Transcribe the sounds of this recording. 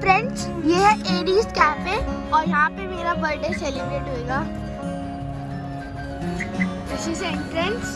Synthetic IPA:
pɾɛ̃ɳt͡ʃjeːɦɛʔeːɖiːskæːpeɔːɾjɐɦãpemeːɾabɐɾɖeselɪbɾeːʈɦoeːɡaː | ɪt͡ʃʰiseɪ̃ɳʈɾɛ̃ɳs

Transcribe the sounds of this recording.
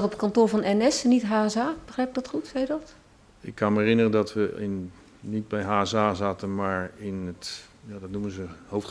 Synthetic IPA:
tɔpətkɔntoːɹvɔnɛnɛsnitɦaːɛsaːb̥əxrɛjp̚dɔtxutsɛjədɔt | ɪkːɑnməɛrɪnərəndɔtʋəɪn | nit̚bɛjɦaːɛsaːzaːtənmaːɹɪnətjaːdɔtnumənzəhowf

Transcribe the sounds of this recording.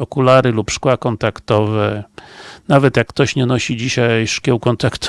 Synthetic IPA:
ɔkulaɾɘlupʂkwakɔnt̪akt̪ɔvɛ | navɛt̪jakːt̪ɔɕɲɛnɔɕid͡ʑiɕajʂkʲɛwkɔnt̪akt̪

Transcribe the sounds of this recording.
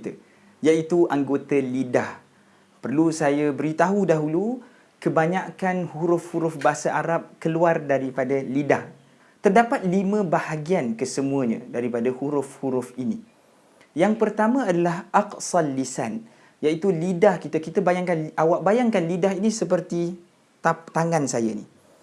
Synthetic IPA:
t̪ə | jait̪uʔaŋɡot̪alidah | pərlusajabəɾit̪aɦudaɦulu | kəbaɲaʔkanhuɾʊfhuɾʊfbaɦasaʔaɾap̚kəluardaɾipadalidah | t̪ərdapat̪̚limə̃bahaɡiankəsəmũaɲã̰daɾipadahuɾʊfhuɾʊfini | jaŋpərt̪amãadalahʔaqsalːisa̰n | jait̪ulidahkit̪akit̪abajaŋkanawaʔbajaŋkanlidaɦinisəp̬ərt̪i | t̪at̪aŋãnsajanḭ

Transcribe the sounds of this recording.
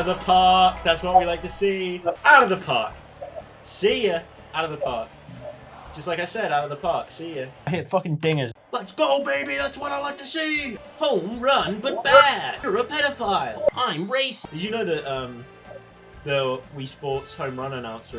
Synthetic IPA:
əvðəpʰɑˑkðætswʌʔ̚wilaɪk̚tʰəsiaʊɾəvðəpʰɑˑk | sijə | ʔaʊɾəvðəpʰɑˑk̚ | d̥ʒ̥ʌst̚ˡlaɪkaɪsɛɾaʊɾəvðəpʰɑˑksijəɦɪtfʌkɪ̃ŋdɪ̃ŋəzlətsɡ̥oʊbeɪbiðætswʌɾaɪlaɪk̚tʰəsi | hõʊ̃mɹʌ̃nbʌt̚b̥æ̥əɹəpʰɛɾəfaɪlˠʔãɪ̃mɹeɪsɨzjɨnoʊðəʔʌ̃m | ðəwispɔˑtshõʊ̃mɹʌ̃nənãʊ̃nsə

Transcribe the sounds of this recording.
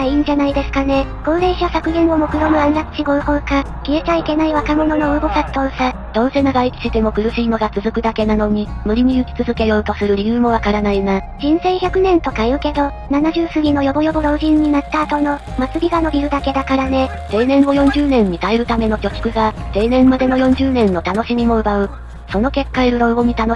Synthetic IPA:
aiːɲ̟d͡ʑanaid̪e̞sɨ̥kane̞ɡ̥õ̞ːɾe̞ɕasakɯ̟nẽɰ̃o̞mo̞kɯ̟ɾo̞mɯ̟ãnɾat͡sɨ̥t͡ɕiɡo̞ɯ̟ho̞ːka | kʲie̞t͡ɕaike̞naiβakamo̞no̞no̞ɯ̟ɡo̞sat̪ːo̞ːsa | d̪̥õ̞ːse̞naɡait͡sɨ̥t͡ɕit̪e̞mo̞kɯ̟ɾɯ̟ɕiːno̞ɡat͡sɨzɨkɯ̟d̪ake̞nano̞ɲ̟imɯ̟ɾʲiɲ̟iɯ̟kʲi̥t͡sɨzɨke̞jo̞ːt̪o̞sɨɾɯ̟ɾʲijɯ̟ːmo̞β̞akaɾanaina | ʑ̥ĩɰ̃sẽ̞ɰ̃çʲakɯ̟nẽ̞nt̪o̞kajɯ̟ke̞d̪o̞ | nanaʑɨːsɨɡʲino̞jo̞bojo̞boɾo̞ːʑĩɲ̟ːinat̪ːaːt̪o̞no̞mat͡sɨɾʲiɡano̞bʲiɾɯ̟d̪ake̞d̪akaɾane̞ | t̪e̞ːnẽ̞ɰmo̞jõ̞ɲ̟d͡ʑɨːnẽ̞ɲ̟ːit̪aeɾɯ̟t̪ame̞no̞kʲo̞ki̥kɯ̟ɡat̪e̞ːnẽ̞mːad̪e̞no̞jõ̞ɲ̟d͡ʑɨːnẽ̞nːo̞t̪ano̞ɕimʲimo̞ɯ̟baɯ̟ | so̞no̞ke̞kːaiɾɯ̟ɾo̞ːboɲ̟ʲit̪ano

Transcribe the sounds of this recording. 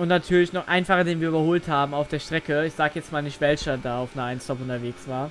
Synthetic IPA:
ʔʊntnatʰyːɐlɪçnɔχʔa̰ɪnfaχɐdeːnviːɐybɐhoːlthaːbm̩aʊfd̥eːɐʃtʁ̥ɛkəɪçz̥aːɡəjɛt͡stmaːlnɪçtv̥ɛlʃɐdaːaʊfnəaɪnstʰɔpʊntɐveːksv̥aːɐ

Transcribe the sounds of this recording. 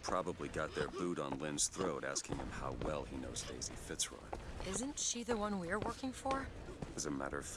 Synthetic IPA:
pʰɹ̥ɑbəbliɡɑt̪̚ðə˞buɾn̩lɪ̃nz̥θɹoʊɾæskʰɪ̰̃ŋɨ̰̃mha̰ʊwɛlˠinoʊzdeɪzḭfɪtsɹɔ̰d̥ʔɪzɨ̃ntʃiðɨwʌ̃nwiə˞wɜ˞kɪ̃ŋfə˞ | ɨzɨmæ̰ɾə̰˞

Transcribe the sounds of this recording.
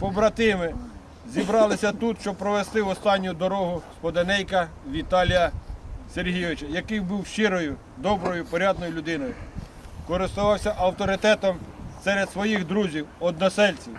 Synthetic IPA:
pɔbɾɐt̪ɪmɪ | zʲibɾɑlˠɪsʲɐt̪ut̪ʃt͡ʃɔpɾɔʋest̪ɪwɔst̪ɑnʲːʊd̪ɔɾɔɦʊspɔd̪enɛjkɐ | ʋʲit̪ɑlʲijɐserɦijʋɪt͡ʃɐjɐkɪjbuwʃt͡ʃɪɾɔjʊ | d̪ɔbɾɔjʊpɔɾʲɑd̪nɔjʊlʲʊd̪ɪnɔjʊ | kɔɾɪst̪ʊʋɑwsʲɐʔɐwt̪ɔɾɪt̪ɛt̪ɔmsɛɾed̪sʋɔjixd̪ɾuzʲiwɔd̪̚nɐsɛlʲt͡sʲiw

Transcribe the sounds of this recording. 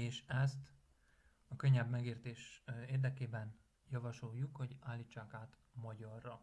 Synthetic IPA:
eːʃɛst̪ | ɒkøɲːɛbmɛɡeːrt̪eːʃeːrd̪ɛkeːbɛn | jɒvɒʃo̞jːukho̞ɟaːlːiːt͡ʃːaːkaːt̪ | mɒɟɒrːɒ

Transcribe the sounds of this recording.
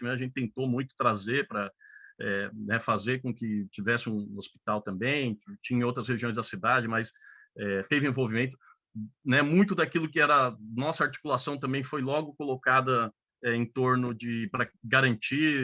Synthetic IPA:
mẽɐʒẽt͡ʃ̪ɪt̪ẽnt̪omũj̃t̪ʊ̥t̪ɾazepɾɐɛnɛfazeɾkõkɪt͡ʃivɛsɪũospi̥t̪awt̪ɐ̃mbẽj̃t͡ʃĩɲɐ̃owt̪ɾɐsheʒiõj̃zd̪ɐsid̪ad͡ʒɪmɐs | ɛt̪evɪẽvowvimẽnt̪ʊ̥ | nɛmũj̃t̪ʊd̪akilʊkɪɛɾɐɐnɔsɐaɾt͡ʃi̥kulasɐ̃w̃t̪ɐ̃mbẽj̃fojlɔɡʊkolokad̪ɐ | ɛẽt̪oɾnʊd͡ʒɪpɾɐɡaɾɐ̃nt͡ʃi

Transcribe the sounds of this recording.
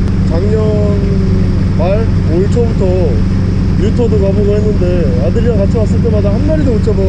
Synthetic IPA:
t͡ɕaŋɲʌ | n | maɭ | moɭt͡ɕʰobutʰʌ | jutʰʌdokaboɡoɦe̞nːɯnde̞ | adɯɾiakat͡ɕʰimas͈ɯɭt̬͈e̞madahanmaɾidout͡ɕʰʌm

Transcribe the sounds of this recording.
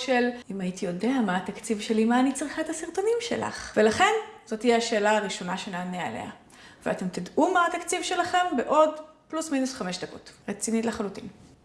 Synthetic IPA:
ʃelimajit̪ijo̞deamaat̪akt͡sivʃe̞limaːnit͡sʁiχaet̪hasiʁt̪o̞nimʃe̞̰la̰χvelaχe̞nz̥o̞t̪ijeaʃe̞ːlaːʁiʃo̞naʃeneːnea̰le̞̰a | vea̰t̪e̞mt̪idʔumaat̪akt͡sivʃe̞laχe̞mbe̞ʔo̞d | plusminusχame̞ʃd̪ako̞tʁet͡sinitleχalutin

